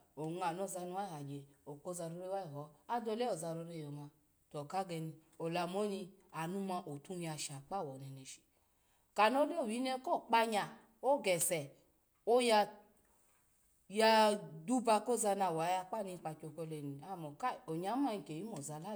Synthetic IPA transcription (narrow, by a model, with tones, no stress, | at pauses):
o˨ŋa˨no˧˨za˧nu˧wa˦i˦˨ha˨d͡ʒe˨o˨ko˦za˧ɾo˧ɾe˧˦wa˦i˨ɦɔ˨˦a˦do˧˦lɛ˦o˨za˧ɾo˧ɾe˧˨jo˨ma˧ | to˨ka˦ɡɛ˧ni˧ | o˨la˧mo˦ɲi˧a˨nu˧ma˧ʔo˨tu˧˦˧ja˧ʃa˨k͡pa˦˨wɔ˨nɛ˨nɛ˨ʃi̥˨ | ka˨no˦le˦o˨wi˨˦nɛ˦˧˦ko˦˨k͡pa˧ɲa˨ | o˦ɡɛ˨sɛ˨ | o˦ja˧ | ja˧du˦ba˧ko˦za˧na˧˨wa˨˦ja˧k͡pa˦˨ni˧k͡pa˧t͡ʃo˧ko˧lɛ˧˨ni˨a˦mo˨ka˦˨o˨ɲa˦ma˧i˧ke˨ji˨˦mo˨za˧la˦